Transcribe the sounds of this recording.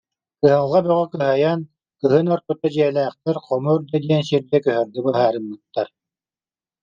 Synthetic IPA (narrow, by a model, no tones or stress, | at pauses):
kɯɦalˠʁabœʁœkɯɦajan | kɯɦɯnɔɾput̪ad͡ʑiɛlæːχt̪ɛɾqɔmuɾd̪ad̪iɛnsiɾd̪ɛkœɦœɾd̪ɯbɯɦaːɾɯmbɯt̪ːaɾ